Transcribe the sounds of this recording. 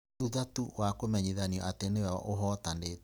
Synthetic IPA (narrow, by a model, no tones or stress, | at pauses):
uðatuwakomɛɲiðaniɔʔatenewa̰ʔoɦɔtande